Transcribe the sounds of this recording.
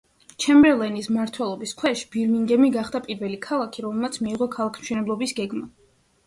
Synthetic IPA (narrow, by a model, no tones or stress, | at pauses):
t͡ʃʰɛmbɛɾlˠɛnismaɾt̪ʰwɛlˠɔbiskʰwɛʃi̥biɾmiŋɡɛmiɡaχd̪apʼiɾvɛlikʰalˠakʰiɾɔmɛlˠmat̪sʰmiːʁɔkʰalˠakʰmʃwɛnɛblˠɔbisɡɛɡma